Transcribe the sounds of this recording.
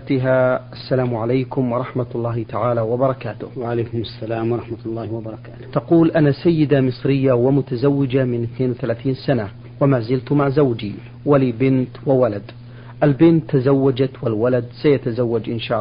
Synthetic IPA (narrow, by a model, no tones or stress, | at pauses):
t̪ɪɦaʔasːalaːmʕalajkʊmwɑɾˤɑħmat̪lˤːɑːhɪt̪aʕaːlawabɑɾˤɑkaːt̪ʊhwaʕalajkʊmasːalaːmwɑɾˤɑħmat̪lˤːɑːhɪwabɑɾˤɑkaːt̪ʊ̥t̪aquːlʔanasajːɪd̪amɨsˤɾɪjːawamʊt̪azawːɪd͡ʒamɪnɪθneːnwɪθalaːθiːnsana | wamaːzɪlt̪maʕzawd͡ʒi | walibɪnt̪wɪwalad̪ | ʔalbɪnt̪ːazawːad͡ʒat̪wɪlwalad̪sajat̪azawːad͡ʒʔɪnʃaːʔ